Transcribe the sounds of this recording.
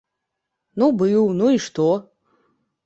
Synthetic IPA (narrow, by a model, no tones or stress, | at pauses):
nubɨwnuiʂt̪o